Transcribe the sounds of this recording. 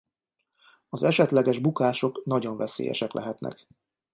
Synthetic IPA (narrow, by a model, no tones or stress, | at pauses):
ɒzɛʃɛt̪lɛɡɛʒbukaːʃo̞knɒɟo̞ɱvɛsḛːjɛ̰ʃɛklɛɦɛt̪nʔɛ̰k